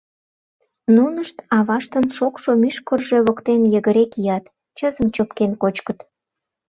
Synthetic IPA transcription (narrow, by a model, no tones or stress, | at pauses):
nunəʃt̪ɑβɑʃt̪ənʃokʃomyʃkorʒeβokt̪enjəɣəɾekijɑt̪ | t͡ɕəzəmt͡ɕopkenkot͡ɕkət̪